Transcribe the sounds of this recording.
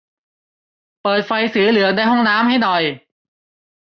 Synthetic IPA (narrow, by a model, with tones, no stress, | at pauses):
pɤː˨˩t̪̚fa˧jsɯː˩˦lɯ˩˦ədaː˧jɦɔ˥˩ŋnaː˦˥mha˥˩jnɔ˨˩j